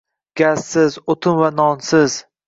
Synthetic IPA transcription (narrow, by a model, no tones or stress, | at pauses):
ɡ̥ʲassɪzot̪ʰɪmvanɒnsɪz̥